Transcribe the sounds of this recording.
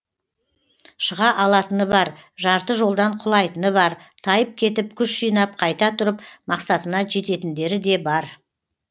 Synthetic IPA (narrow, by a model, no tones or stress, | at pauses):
ʃəʁɑʔɑlˠɑt̪ənəbɑɾʒɑɾt̪əʒo̞lˠd̪ɑɴqʰʊlˠɑjt̪ənəbɑɾt̪ʰɑjəp̚kʲʰe̞t̪ɪp̚kʲʰʏʃʒijnɑp̚qʰɑjt̪ɑt̪ʰʊɾəpmɑqsɑt̪ənɑʒe̞t̪e̞t̪ɪnd̪e̞ɾɪd̪e̞bɑɾ